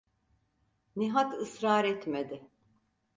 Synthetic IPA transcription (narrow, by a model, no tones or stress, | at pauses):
niɦat̪ɯsɾaːɾɛt̪med̪ɪ